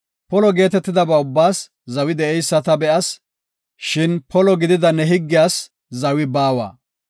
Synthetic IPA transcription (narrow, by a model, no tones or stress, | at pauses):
pɔlɔɡe̞ːt̪ɛt̪ːɪd̪ɐbɐʊbːaːs | zɐwɪd̪ɛʔɛjsːɐt̪ɐbɛʔɐs | ʃɪnpɔlɔɡɪd̪ɪd̪ɐnːɛɦɪɡːɪjaːs | zɐwɪbaːwɐ̰ː